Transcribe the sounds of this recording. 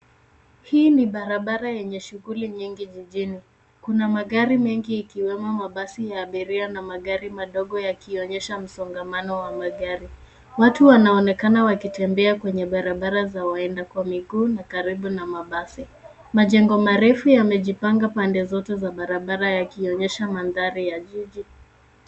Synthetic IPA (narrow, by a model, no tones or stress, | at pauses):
hiːniɓaɾaɓaɾajɛɲɛʃuɣuliɲiŋɡiʄiʄini | kunamaɡaɾimɛŋɡiːkiwɛmamaɓasijaːɓiɾianamaɠaɾimaɗɔɠɔjakiɔɲɛʃam̩sɔŋɡamanɔwamaɠaɾi | watuwanaɔnɛkanawakitɛmbɛakwɛɲɛɓaɾaɓaɾazawaɛndakwamiɡuːnakaɾiɓunamaɓasi | maʄɛŋɡɔmaɾɛfujamɛʄipaŋɡapandɛzɔtɛzaɓaɾaɓaɾajakiɔɲɛʃamanðaɾijaʄiʄi